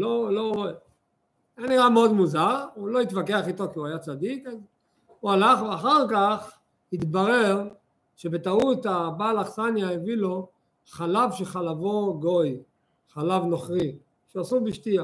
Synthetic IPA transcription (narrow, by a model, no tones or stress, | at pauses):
loloe | janiʁameo̞d̪muzaʁulo̞it̪vakeaχit̪o̞kiuajat͡sad̪ikaz | ualaχveaχaʁkaχ | hit̪baʁeʁ | ʃebe̞t̪aut̪abalaχsanjaevilo̞ | χalavʃeχalavo̞ɡo̞j | χalavno̞χʁi | ʃeasubiʃt̪ia